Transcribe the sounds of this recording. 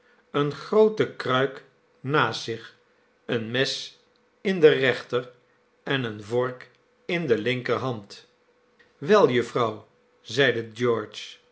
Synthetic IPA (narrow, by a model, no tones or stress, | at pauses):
ənχrowtəkrœɥk | naːsɪχ | ənmɛs | ɪndərɛχtər | ɛnənvɔɹk | ɪndəlɪŋkərɦɑnt | ʋɛlˠjəfrɑw | zɛjdəd͡ʒɔːɹt͡ʃ